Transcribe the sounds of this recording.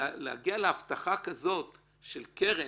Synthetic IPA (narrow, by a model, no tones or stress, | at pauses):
lea̰ɡialeaft̪aχakazo̞t | ʃelkeʁe